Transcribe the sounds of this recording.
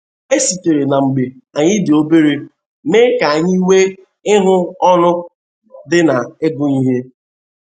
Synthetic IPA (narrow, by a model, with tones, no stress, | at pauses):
e˦si˨te˨ɾe˨na˨ŋ͡m̩˨ɡ͡be˨a˨ɲɪ˦dɪ˨o˦be˦ɾe˦ | meː˦ka˨a˨ɲɪ˦i˦we˦ | ɪ˦ɦʊ˦ɔ˦nʊ˦ | dɪ˦na˨e˦ɡʊ˦ɲi˦ɦe˦